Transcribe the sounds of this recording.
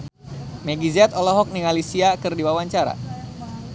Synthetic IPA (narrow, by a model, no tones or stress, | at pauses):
meɡizɛt̪ɔlɔɦɔk̚niŋalisiakɨrdiwawaɲt͡ʃaɾa̰